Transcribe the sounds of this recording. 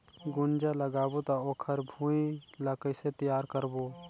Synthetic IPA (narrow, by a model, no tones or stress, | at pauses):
ɡʊnd͡ʒaləɡaːbot̪aoːkʰəɾbʱũĩləkəset̪əjaːɾkəɾboː